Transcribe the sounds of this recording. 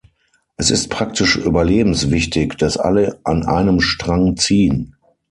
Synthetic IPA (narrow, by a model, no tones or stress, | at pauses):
ʔɛsɪ̰stpʁ̥ak̚tɪʃʔyːbɐleːbm̩sv̥ɪçtɪkd̥asʔa̰ləʔanʔa̰ɪnəmʃtʁ̥aŋt͡siːən